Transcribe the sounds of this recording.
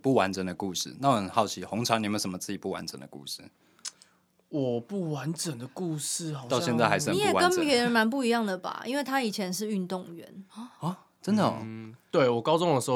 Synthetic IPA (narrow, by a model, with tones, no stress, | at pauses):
pu˥˩wa˧˦nʈ͡ʂə˨˩ŋd̪ə˩ku˥˧ʂɻ̩̰˥˩na˥˩˨ə˨˩nhɑ˥˩ʊt͡ɕʰi˧˥xɔ˧˥ŋʈ͡ʂʰɑ˧˦ŋn˨˩mə˨˥ʂə˧˦mə˦t͡sɹ̩˥˩t͡ɕi˨˩pu˥˩wa̰˧˦nʈ͡ʂə̰˨˩nd̪ə̰˩kṵ˥˧ʂɻ̩̰˥˨ | wɔ˨˩pu˥˩wa˧˦nʈ͡ʂə˨˩ŋd̪ə˨ku˥˧ʂ̩˥˨ɑ˥˧ʊɕjɛ˥˧nt͡sa˥ɪxa˧ɪsni˨˦jɛ˨˩kə˦nɛ˧˥ɻə˧˥nma˧˥np̬u˥˩i˧˥jɑ˥˩ŋd̪ə˩ba̰˨˩i˥nwe˥˩ɪt̪ʰa˥i˨˩t͡ɕʰjɛ˧˥nʂɻ̩˥˧y˥˧nt̪ʊ˥˨ŋɥɛ̰˧˥n˦˩ | ʈ͡ʂə˦nd̪ə̰˨t̪we˥˩ɪwɔ˨˩kɑ˥ʊt͡sʊ˥˧ŋdə˩ʂ̩˧ho˥˧